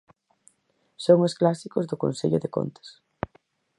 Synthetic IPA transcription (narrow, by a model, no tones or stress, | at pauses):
soŋosklasikʊzðʊkõnseʎʊðeɪko̰nt̪e̥s